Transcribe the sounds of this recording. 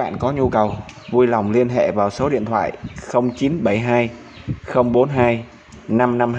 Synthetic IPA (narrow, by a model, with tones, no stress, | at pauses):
a̰ː˧˨nkɔ˨˦ɲu˧kə˨˩wvu˧jla˨˩wŋ͡mli˧ənɦḛ˧˨vaː˨˩wso˨˦ɗḭ˧˨ənt̪ʰwa̰ː˧˨jxə˧wŋ͡mt͡ɕi˨˦nɓə˧˩jɦaː˧j | xə˧wŋ͡mɓo˨˦nɦaː˧j | na˧mna˧m